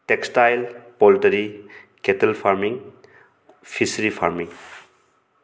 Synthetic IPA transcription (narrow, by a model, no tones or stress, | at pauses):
tekstajlpɔltɐɾi | ketɛlpʰaɾmiŋ | pʰisɾipʰaɾmiŋ